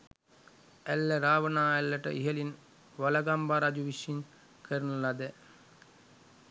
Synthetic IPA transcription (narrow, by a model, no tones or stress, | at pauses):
ælːəɾaːʋənaːælːəʈə̰ʔiɦəlin | ʋalaɡambaɾad͡ʒuʋiʃin | kʰəɾənəlad̪ɛ